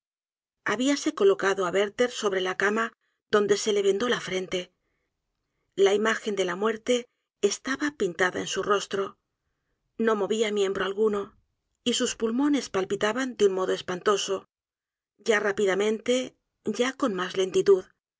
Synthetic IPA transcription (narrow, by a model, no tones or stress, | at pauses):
aβiase̞ko̞lo̞kaðoaβe̞ɾt̪e̞ɾso̞βɾe̞lakama | ðo̞nd̪e̞se̞le̞βe̞nd̪o̞lafɾe̞nt̪e̞ | laimaxe̞nd̪e̞lamwe̞ɾt̪e̞ː | st̪aβapint̪aða̰e̞nsuro̞st̪ɾo̞ | no̞mo̞βiamje̞mbɾo̞alɣuno̞ | isuspulmo̞ne̞spalpit̪aβand̪eunmo̞ðo̞espant̪o̞so̞ | ɟ͡ʝarapiðamẽ̞nt̪e̞ | ʝako̞nmazle̞nt̪it̪uð